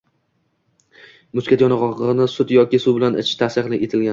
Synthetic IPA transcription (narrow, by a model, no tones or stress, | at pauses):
mʊskʲat̪jɒnɑʁɒʁʁnɪsʊt̪jɒkʲɪsʊbɪlanɪt͡ʃʰt̪ʰasɪqlɪkʲet̪ʰɪlɡʲa